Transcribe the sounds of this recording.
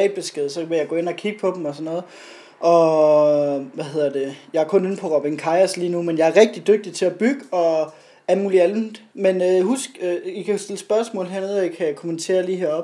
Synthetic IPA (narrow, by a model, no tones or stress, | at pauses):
ɛ̰ːd̚b̥e̝sɡ̥eðˠsɒ̽ʋe̝jɑ̈ɡ̥ɔ̽ːe̝nɒkʰiɡ̥əpʰɒ̽d̥m̩ɒ̽sɒ̽nːɔ̽ːð̩ˠ | ʔɒ̽ | ʋæɦe̝ð̞̰ˠɐd̥e̝jɑ̈æɐkʰɔ̽ne̝n̩pʰɒ̽ʁɒb̥iŋkʰɑ̈ɪɐsliːnumenjɑ̈æɐʁɛɡ̥̚d̥id̥øɡ̥̚d̥it͡sʰe̝æb̥yɡ̥əɒ̽ | ælmuːliæl̩menøhusɡ̥øikʰæsd̥e̝ləsb̥ɶɐsmɔ̰̽ːlɦæɐnoðˠɒikʰæjkʰo̝ment͡sʰe̝̰ːɐliːɦeɐɒ̽b̥